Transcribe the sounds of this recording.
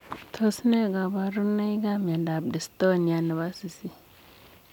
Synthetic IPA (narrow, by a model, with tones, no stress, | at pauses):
tʰo˦sne˦˨ɡa˨ba˨ɾu˦na˦i˦ɡa˦m˨a˨da˨b̚di˨sto˦˨ni˨ja˨na˨βa˦si˨si˦